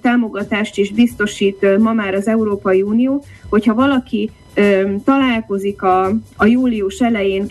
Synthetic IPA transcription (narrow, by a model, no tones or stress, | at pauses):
t̪aːmo̞ɡɒt̪aːʃt̪iʒbist̪o̞ʃiːt̪mɒmaːɾɒzɛuɾoːpɒjiuːnijoːho̞chɒvɒlɒki | t̪ɒlaːlko̞zikɒːjuːliuʃɛlɛjeːŋ